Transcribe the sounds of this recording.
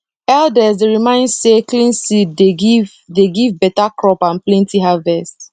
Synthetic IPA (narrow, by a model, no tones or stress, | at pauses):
ɛldɛsdeɹimãɪ̃ndseklĩnsiddeɡiv | deɡivbɛtakɹɔpãnplɛ̃ntiɦavɛst